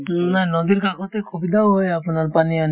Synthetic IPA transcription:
nanod̪iɾkakʰot̪ekʰubid̪aoɦoeapnaɾpanian

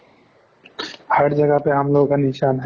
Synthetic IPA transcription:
hɐɾd͡ʒɐɡəpeɦɐmloːɡkanɪʃaːnɦɛ

